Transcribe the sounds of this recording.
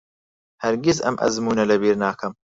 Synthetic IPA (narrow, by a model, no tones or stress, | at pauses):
hɐɾɡizɐ̰mʔɐ̰zmuːnɐlɐbiːɾnaːkʰɐm